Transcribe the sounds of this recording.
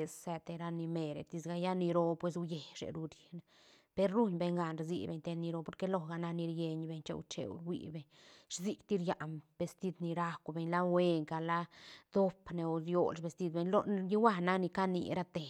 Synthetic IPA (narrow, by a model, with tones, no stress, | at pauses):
e˧sse˧t̪e˧ɾa˧ni˧me˧ɾḛ˨t̪i˧sɡa˧ja˦ni˧ɾo˧pwe˧s̬u˦je˨ʃḛ˨ɾu˧ɾi̥˨ne | pe˧ɾːu˦ɲbe˧ɲɡa˧nɾzḭ˧bḛ˨ɲt̪e˧d̪ni˧ɾo˧po˧˦ɾke˦lo˦ɡa˧na˦ni˧ɾje˧ɲbe˧ɲt͡ʃḛ˧ṵ˧t͡ʃḛ˨w̰ɾwḭ˧˨be˨ɲ | ɾzi˧kt̪i˦ɾja˨ʔmb̥e˨st̪i˦d̪ni˧ɾa˦kʷbe˧ɲla˦we˦ŋka˨la˦d̪̥o˦pne˨o˧djo̰˨lʃbe˧st̪i˧d̪̚be˧ɲlo˦ji˦wa˦na˦kni˧ka˦nḭ˧ɾa˦t̪e˨